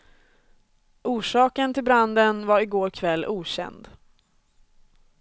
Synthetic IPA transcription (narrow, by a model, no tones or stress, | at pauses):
ʔuːʂɑːkənt̪ʰɪlbɾand̪ənvaɾɪɡoːɾkʰvɛlːuːɕɛ̰nd̪